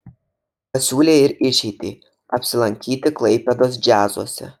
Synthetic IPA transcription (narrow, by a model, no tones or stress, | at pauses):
pɐsʲuːlʲeːɪɾɪʃʲɛɪt̪ʲḭː | ɐpʲsʲɪlˠɐŋʲkʲiːt̪ʲɪklˠɐɪpʲɛd̪oːs̬d͡ʒʲæːzuɔsʲɛ̰